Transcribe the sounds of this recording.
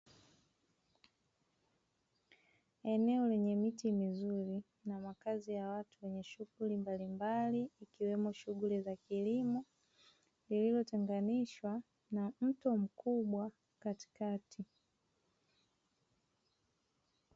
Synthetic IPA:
ɛnɛɔlɛɲɛmitimizuɾi | namakazijawatuwɛɲɛʃuɡulimbalimbaliːkiwɛmɔʃuɠulizakilimɔ | lililɔtɛŋɡaniʃwa | nam̩tɔm̩kuɓwa | kati̥katʰi

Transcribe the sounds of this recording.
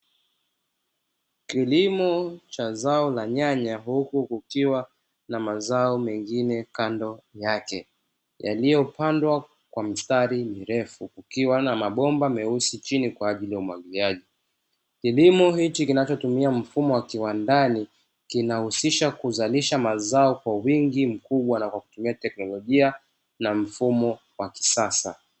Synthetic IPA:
kilimɔt͡ʃazaɔlaɲaɲaɦukukukiwa | namazaɔmɛŋɡinɛkandɔjakɛ | ja̰lijɔpandwa | kwam̩staɾimiɾɛfukukiwanamaɓɔmbamɛusit͡ʃinikwaːʄilijaumwaɠiliaʄi | kilimɔhit͡ʃikinat͡ʃɔtumiam̩fumɔwakiwandani | kinahusiʃakuzaliʃamazaɔkwawiŋɡim̩kuɓwanakwaku̥tumiatɛknɔlɔʄia | nam̩fumɔ | waki̥sasa̰

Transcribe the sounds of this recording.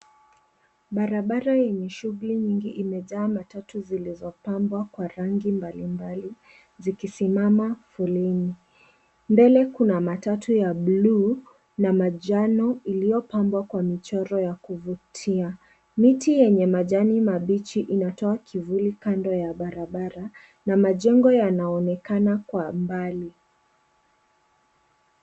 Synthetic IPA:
ɓaɾaɓaɾajɛɲɛʃuɣuliɲiŋɡiʔimɛʄaːmatatuzilizɔpambwakwaɾaŋɡimbalimbali | zikisimamafulini | mbɛlɛkunamatatujaɓluː | namaʄanɔilijɔpambwakwamit͡ʃɔɾɔjakuvutʰia | mitijɛɲɛmaʄanimaɓit͡ʃiʔinatɔakʰivulikandɔjaɓaɾaɓaɾa | namaʄɛŋɡɔjanaɔnɛkanakwambali

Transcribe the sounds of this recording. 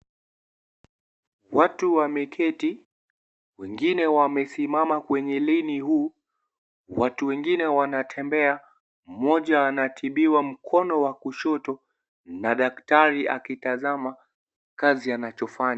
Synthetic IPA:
watuwamɛkʰɛti | wɛŋɡinɛwamɛsimamakwɛɲɛlinihuː | watuwɛŋɡinɛwanatʰɛmbɛa | m̩mɔʄaːnatʰiɓiwam̩kʰɔnɔwakuʃɔtɔ | naɗaktaɾia̰kitazama | kazianat͡ʃɔfaɲa

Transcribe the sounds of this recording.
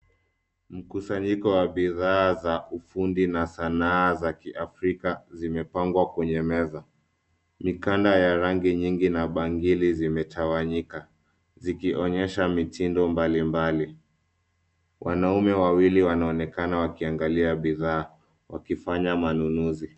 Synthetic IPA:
m̩kusaɲikɔwaɓiðaːzaufundinasanaːzakiʔafɾikazimɛpaŋɡwakwɛɲɛmɛza | mikandajaɾaŋɡiɲiŋɡinaɓaŋɡilizimɛtʰawaɲika | zikiʔɔɲɛʃamitindɔmbalimbali | wʔanaumɛwawiliwanaɔnɛkanawakiaŋɡaliaɓiðaː | wʔa̰kifaɲamanunuzi

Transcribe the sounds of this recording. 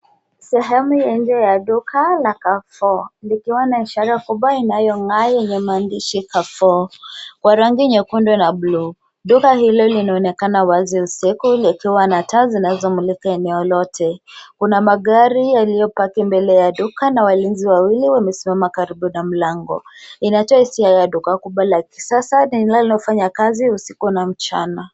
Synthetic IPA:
sɛɦɛmujɛɲd͡ʒɛjaɗukʰalakafɔlikiwanaiʃaɾakuɓwainajɔŋɡajɛɲɛmaːndiʃikafɔkwaɾaŋɡiɲɛkundwɛnablu | ɗukahilɔlinaɔnɛkanawaziusikulikiwanatazinazɔmulikaɛnɛɔlɔtʰɛkunamaɠaɾijalijɔpakimbɛlɛjaɗukanawalinziwawiliwamɛsimamakaɾiɓunam̩laŋɡɔ̰inatɔahisiajaɗukakuɓwalaki̥sasanilalinɔfaɲakaziusi̥kunam̩t͡ʃa̰na

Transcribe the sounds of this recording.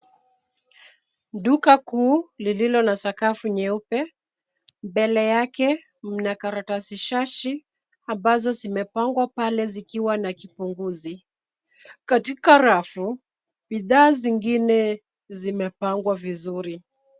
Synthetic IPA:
ɗukakuːlililɔnasakafuɲɛupɛ | mbɛlɛjakɛ | m̩nakaɾatasiʃaʃi | ambazɔzimɛpaŋɡwapalɛzikiwanakipuŋɡuzi | katikaɾafu | biðaːziŋɡinɛ | zimɛpaŋɡwavizuɾi

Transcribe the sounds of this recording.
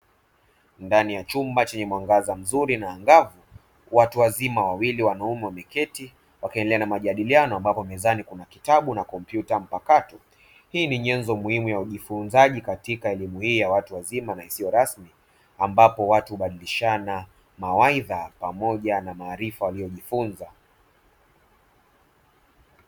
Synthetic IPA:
ndanijat͡ʃumbat͡ʃɛɲɛmwaŋɡazam̩zuɾinaːŋɡavu | watuwazimawawiliwanaumɛwamɛkɛti | wakiɛndɛlɛanamaʄaɗilianɔambapɔmɛzanikunakitaɓunakɔmpjutam̩pakatɔ | hiːniɲɛnzɔmuhimujauʄifunzaʄikatikaɛlimuhiːjawatuwazimanaisijɔɾasmi | ambapɔwatuhuɓaɗiliʃana | mawaiðapamɔʄanamaːɾifawalijɔʄifunza

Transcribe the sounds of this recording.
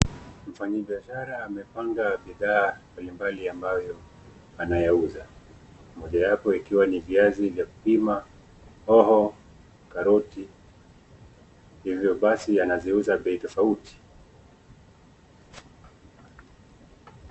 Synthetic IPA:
m̩faɲaɓiaʃaɾaːmɛpaŋɡaɓiðaːmbalimbaliambajɔ | anajauza | mɔʄajapɔikiwaniviazivjaku̥pima | ɔhɔ | kaɾɔti | hivjɔɓasianaziuzaɓɛitɔfauti̥

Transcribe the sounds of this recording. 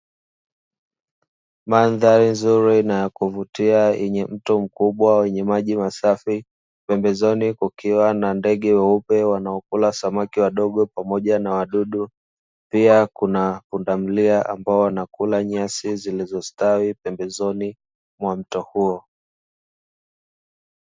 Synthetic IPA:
manðaɾinzuɾinajakuvutiaʔɛɲɛm̩tɔm̩kuɓwawɛɲɛmaʄimasafi | pɛmbɛzɔnikukiwanandɛɠɛwɛupɛwanaɔkulasamakiwaɗɔɠɔpamɔʄanawaɗuɗu | piakunapundam̩liaʔa̰mbaɔwanakulaɲasizilizɔstawipɛmbɛzɔni | mwam̩tɔhuɔ

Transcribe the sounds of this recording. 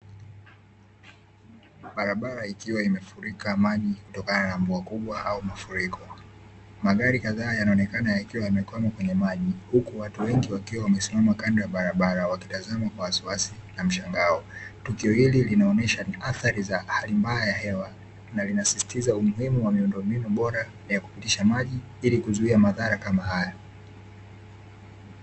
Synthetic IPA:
ɓaɾaɓaɾaikiwaimɛfuɾikaːmaʄikutɔkananamvuakuɓwaaumafuɾikʰɔ | maɠaɾikaðaːjanaɔnɛkanajaikiwaamɛkwamakwɛɲɛmaʄihukuwatuwɛŋɡiwakiwawamɛsimamakandaaɓaɾaɓaɾawaki̥tazamakwawasiwasinam̩ʃaŋɡaɔtukiɔhililinaɔnɛʃaaθaɾizahalimbaajahɛwa | nalinasisi̥tizaumuhimuwamiundɔmbinuɓɔɾa | jaku̥pitiʃamaʄi | ilikuzuiamaðaɾakamaɦajɔ

